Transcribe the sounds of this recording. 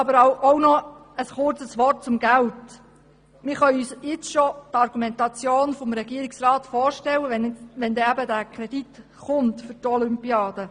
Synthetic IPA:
ɑbəɾaʔownɔ | əsχʊrt͡səsʋɔrt̚t͡sʊmɡælt | mɪːɾχœʏyːsjɪt͡sʃɔtɑɾɡ̥umɛntɑt͡sjoːnfɔmɾɛɡiːəɾɪksrɑːtfɔːɾʃtɛlːəʋɛnʋɛndɛæbədæːkʰɾɛd̥it | χʊntfʏɾtɔlʏmpiɑːd̥̪ə

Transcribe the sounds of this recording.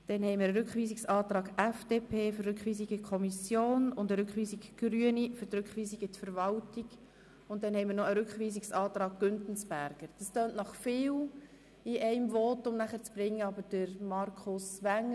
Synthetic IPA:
d̥ɛnhɛɪmɪɾəɾʏkχʋiːsiksɑːt̪ɾɑːɡɛfd̥eːpʰeːførɾʏkχʋiːs̬iɡ̥əkʰɔmisjoːnʊndəɾʏkχʋiːsiɡɡ̥ɾyənifʏɾtɾʉkχʋiːsiɡətfəɾvɑltiɡ | ʊntdɛnhɛɪmərnɔəɾʏkχʋiːs̬iksɑːt̪ɾɑːɡ̚ɡ̥ʏntn̩sb̥æɾɡ̥əɾd̥ɑstøːnʔnɑχfɪːl | iʔɛɪmvɔːtːʊmnæχəɾt͡sb̥ɾɪŋːəɑbəɾd̥əɾmɑɾkʰʊsʋæŋːə

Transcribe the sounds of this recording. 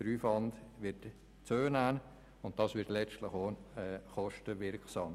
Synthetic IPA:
d̥əɾyːfɑndʋɪɾt | t͡søːnæːn | ʊnt̚dɑsʋɪɾtlɛt͡stlɪχoɛχɔʃtəʋɪɾkχsɑːm

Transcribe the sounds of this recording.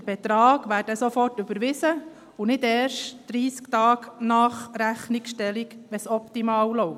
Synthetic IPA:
əb̥ɛt̪ɾɑːɡ̥ʋæːɾd̥əsofɔrtʉbəɾʋɪsə | ʊnɪdɛːɾʃtd̪̥ɾiːskt̪ɑːɡnɑːχɾæχnikʃtɛliɡʋɛsɔpt̪imɑːwlɔʊ

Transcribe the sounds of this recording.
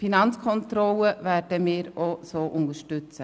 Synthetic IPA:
finɑnt͡skʰɔntɾɔləvæːrd̥əmiːɾosoːʔʊndəɾʃtʏt͡sə

